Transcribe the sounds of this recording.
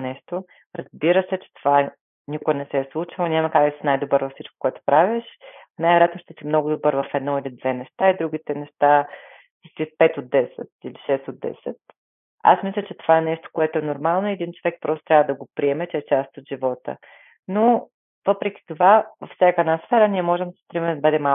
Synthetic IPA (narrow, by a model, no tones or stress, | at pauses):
nɛʃt̪o | ɾɐzbiɾəsɛt͡ʃɛ̥t̪o̥va | nikoɛnɛsɛːslˠut͡ʃilˠonʲamɐkak̪əsinajd̪obɤɾvɐfsit͡ʃko̥koɛt̪o̥pɾaviʃnajvɛɾjat̪noʃt̪ɛsimnɔɡʊd̪obɤɾvɐfɛd̪nɔilid̪vɛnɛʃt̪aid̪ɾuɡ̟ʲit̪ɛnɛʃt̪a | it̪ipɛt̪od̪̚ɛsɛ̰t̪iliʃɛst̪od̪ːɛ̰sɛt̪̚ | a̰smislʲət͡ʃɛt̪ovaɛnɛʃt̪o̥koɛt̪oɛnoɾmalˠnoiɛd̪int͡ʃovɛk̚pɾɔst̪ot̪ɾʲavəd̪ɐɡopɾiɛmɛt͡ʃɛɛt͡ʃast̪ot̪ʒivɔt̪ə̰ | no | vɤpɾɛk̟ʲi̥t̪ovavɐfsʲakaɛd̪nasfɛɾənʲiɛmɔʒɛmd̪si̥st̪ɾimɛmd̪bəd̪ɛma